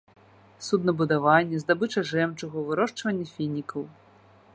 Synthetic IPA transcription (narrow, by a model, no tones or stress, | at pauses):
sud̪nɐbud̪avanʲːɛzd̪abɨt͡ʂɐʐɛmt͡ʂuɣɐvɨɾɔʂt͡ʂvɐnʲːɛfʲinʲikʰɐw